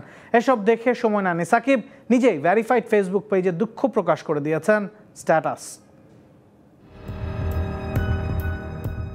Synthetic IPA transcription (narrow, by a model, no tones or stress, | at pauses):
eʃɔbd̪ekʰeʃɔmɔenanisakib̚ | nid͡ʑejvɛɾifajʈfes̬buk̚ped͡ʑed̪ukʰːopɾokaʃkoɾed̪ijet͡ɕʰen | sʈɛʈas